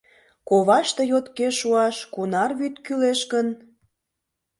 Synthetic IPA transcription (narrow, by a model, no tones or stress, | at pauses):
koβɑʃt̪ejot̪keʃuɑʃkunɑrβyt̪kyleʃkən